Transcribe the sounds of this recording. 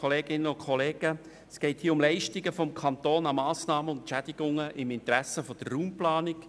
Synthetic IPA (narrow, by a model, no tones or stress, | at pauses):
oleːɡɪnəʊnkʰɔleːɡə | sɡ̥ɛɪthiːʊmlɛɪʃtɪɡəfɔmkʰɑnt̪oːnɑmɑːsnɑːməʊntʃɛdɪɡ̥ʊŋəʔɪmɪnt̪ɾæsəfɔd̥ərːuːmplɑːnɪk